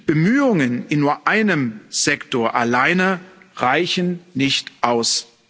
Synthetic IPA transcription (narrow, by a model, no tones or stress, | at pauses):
b̥əmyːʊŋənɪnːuːɐʔaɪnəmz̥ɛktoːɐʔalaɪnəʁaɪçn̩nɪçtʔaʊs